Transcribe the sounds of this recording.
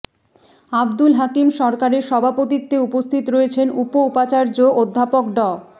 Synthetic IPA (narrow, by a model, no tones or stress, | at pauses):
abd̪ulɦakimʃɔɾkaɾeɾʃɔbʱapot̪it̪ːeupost̪ʰit̪ɾoet͡ɕʰenupoupat͡ɕaɾd͡ʑood̪ʱːapok̚ɖɔ